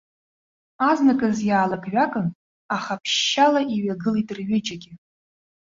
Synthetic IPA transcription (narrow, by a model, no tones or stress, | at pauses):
aznakʼɨzjaːlaɡʼɥʷakʼɨn | aχapʰʃːalaʔiɥaɡɨlitʼɨrɥɪt͡ʃʼaɡʲɪ